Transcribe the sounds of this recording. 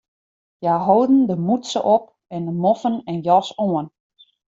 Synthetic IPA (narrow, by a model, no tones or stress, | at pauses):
jaːɦowdn̩dəmutsəʔɔp̚ | ɛndəmɔfənɛnjɔsoən